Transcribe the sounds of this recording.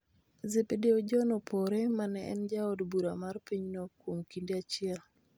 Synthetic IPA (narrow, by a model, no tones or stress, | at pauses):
zebedeod͡ʒɔnopʰɔɾemanɛɛ̰nd͡ʒaɔdbuɾamarpiɲnokwomkindeat͡ʃɪɛl